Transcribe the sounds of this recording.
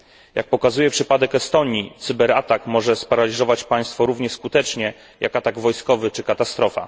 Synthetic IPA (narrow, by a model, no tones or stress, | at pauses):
jak̚pɔkazujɛpʂɘpad̪ɛkɛst̪ɔɲit̪sɘbɛɾat̪akmɔʐɛspaɾalʲizɔvat͡ɕpaj̃st̪fɔɾuvɲɛskut̪ɛt͡ʂɲɛ | jʔakat̪aɡvɔjskɔvɘt͡ʂɘkat̪ast̪ɾɔfa̰